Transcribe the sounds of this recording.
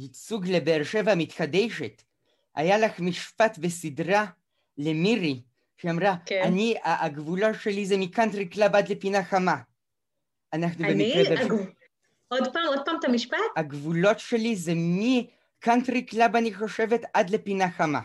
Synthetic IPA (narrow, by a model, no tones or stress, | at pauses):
it͡suɡlebeːʁʃe̞vamit̪χad̪eʃet | ʔa̰jalaχmiʃpat̪be̞sid̪ʁa | lemiʁi | ʃeamʁakaniaʔaɡvulo̞tʃe̞lizemikant̪ʁiklabad̪le̞pinaχama | anaχnubemikʁebe | od̪paːmod̪̚paːmt̪amiʃpat̪haɡvulo̞tʃe̞lizemi | kant̪ʁiklabaniχo̞ʃe̞ve̞t̪ad̪le̞pinaχama̰